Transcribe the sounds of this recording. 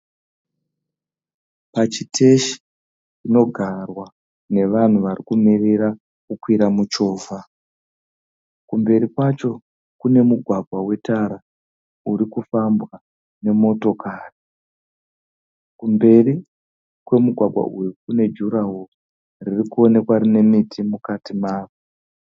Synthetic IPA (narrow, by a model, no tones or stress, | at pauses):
pat͡ʃitʰe̞ʃi̥ | t͡ʃino̞ɡʱarwa | ne̞ʋan̤uʋarikumireɾa | kukwiɾamut͡ʃo̞ːva | kumbe̞ɾikwat͡ʃo̞ | kune̞muɡʱwaɡʱwawe̞taɾa | uɾikufambɣa | ne̞mo̞to̞kari | kumbe̞ri | kwe̞muɡʱwaɡʱwa̰ʔujukune̞d͡ʒuɾawo | ririkuo̞ne̞kwaɾine̞mitʰimukatimaːʋo